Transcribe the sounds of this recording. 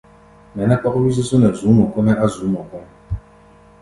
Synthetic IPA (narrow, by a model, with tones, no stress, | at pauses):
nɛ˨nɛ˦k͡pɔ˦kwi˦s̬ə˦so˦nɛ˨zu˨˦mɔ˨kɔ˦nɛ˦ʔa˦zuː˨˦mɔ˨kɔ˦nɛ˦